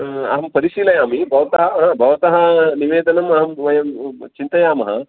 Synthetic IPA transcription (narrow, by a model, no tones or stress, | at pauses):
ɐ̰ɦɐmpɐɾiʃiːlɐjaːmibʱɐʋɐt̪ɐɦɐbʱɐʋɐt̪ɐɦɐniʋeːd̪ɐnɐmɐɦɐmʋɐjɐmt͡ʃint̪ɐjaːmɐɦɐ̰